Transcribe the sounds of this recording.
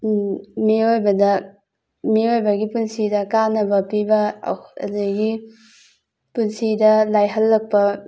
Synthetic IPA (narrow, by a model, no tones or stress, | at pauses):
miojbɐdɐ | miojbɐɡipunsidɐkanɐbɐpibɐ̰ɐ̰duɡi | punsidɐlajɦɐlːɐk̚pɐ